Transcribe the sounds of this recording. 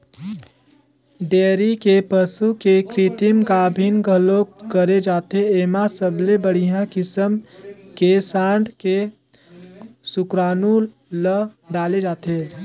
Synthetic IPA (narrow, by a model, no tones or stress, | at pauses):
ɖeːɾikepəsukekɾit̪imkaːbʱinɡʱəlokəɾed͡ʒaːt̪eeːmasəblebəɽ̤ijãkɪsəmkesãːɳɖke | sʊkɾaːnu | ləɖaːled͡ʒaːt̪eː